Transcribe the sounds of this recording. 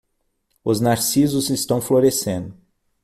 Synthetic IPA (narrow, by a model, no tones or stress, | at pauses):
ʊznaɾsizʊzɪst̪ɐ̃w̃floɾesẽnd̪ʊ